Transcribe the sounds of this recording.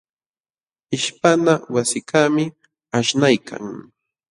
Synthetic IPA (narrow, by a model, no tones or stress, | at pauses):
ɪʃpanawasɪkamɪ | aʃnajkʰa̰ŋ